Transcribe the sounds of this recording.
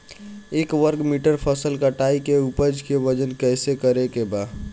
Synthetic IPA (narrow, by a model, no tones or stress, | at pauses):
eːkʋəɾkmiʈəɾpʰəsəlkaʈaːikeupəd͡ʒkeʋəd͡ʒənkɛːsekəɾekebaː